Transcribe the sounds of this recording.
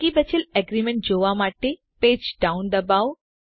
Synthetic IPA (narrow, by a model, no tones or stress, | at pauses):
kibət͡ʃʰileɡɾimẽɳʈ̚d͡ʒoʋamaːʈe | peːd͡ʒɖaʊnd̪əbaːw